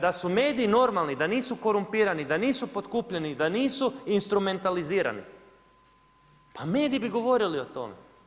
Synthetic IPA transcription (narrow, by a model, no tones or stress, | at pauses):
d̪asume̞ːd̪iino̞ɾmalˠnid̪aniːsuko̞ɾumpiːɾanid̪aniːsupo̞t̪kuːpʎenid̪aniːsuinst̪ɾume̞nt̪aliziːɾa̰nḭ | pame̞ːd̪iibiɡo̞ʋo̞ɾilio̞t̪o̞̰mḛ